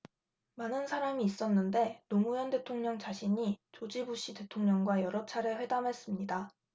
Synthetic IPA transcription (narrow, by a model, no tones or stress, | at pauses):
manɯnsʰaɾamiːs͈ʌnːɯnde̞nomujʌnde̞tʰoŋɲʌŋt͡ɕaɕʰiɲit͡ɕod͡ʑibuɕ͈ite̞tʰoŋɲʌŋɡwajʌɾʌt͡ɕʰaɾeɸwe̞damɦe̞s͈ɯmɲida